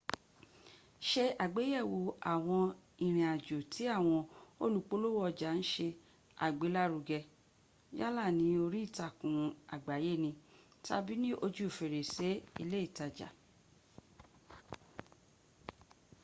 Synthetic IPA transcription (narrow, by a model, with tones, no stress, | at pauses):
ʃe˧a˨ɡ͡be˨˦jɛ˦˨wo˧a˨w̃ɔ̃˧ĩ˨ɾ̃ĩ˨a˨d͡ʒo˨tʰi˨˦a˦˨w̃ɔ̃˧o˦lu˧k͡po˦lo˦wɔ˦˧˨d͡ʒa˨ñ̩˦ʃe˧ | a̰˨ɡ͡be˨˦la˦ɾu˧ɡɛ˧ | ja˦la˦˨nĩ˨˦o˧ɾi˦˨ta˨kũ˨a˨ɡ͡ba˨˦je˦˨nĩ˧ | ta˧bi˦nĩ˦ʔo˧d͡ʒu˦o˨fe˨ɾe˨se˨˦i˧le˦i˦˨ta˨d͡ʒa̰˨